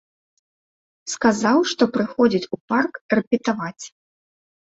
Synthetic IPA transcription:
skazawʂt̪ɔpɾɨxɔd͡zʲit͡sʲuparkrɛpʲit̪avat͡sʲ

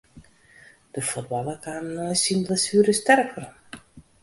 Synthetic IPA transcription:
d̥əfut̚bɑlˠəkʰannɔjsimləsyːɾəstɛrkʰər

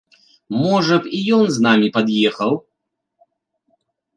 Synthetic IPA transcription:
mɔʐɐpijɔnznamʲipad̪jɛxɐw

